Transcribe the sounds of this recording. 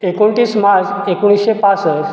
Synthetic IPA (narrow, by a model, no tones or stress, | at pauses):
ekoɳʈiːsmad͡zekuɽ̃isepasəɾ